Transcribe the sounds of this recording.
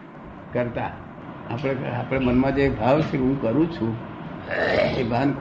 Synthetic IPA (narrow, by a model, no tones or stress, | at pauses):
kəɾt̪a | apɽ̃eapɽ̃emənmãd͡ʒebʱaʋt͡ʃʰeɦũkəɾũt͡ʃʰũ | ebʱank